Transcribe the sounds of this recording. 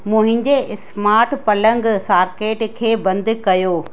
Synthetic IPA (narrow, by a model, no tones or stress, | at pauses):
mũɦɪ̃ɲd͡ʑesmaːɾʈpɐlə̃ŋɡsaːɾkeːʈkʰeːbɐ̃nd̪ʱkɐjoː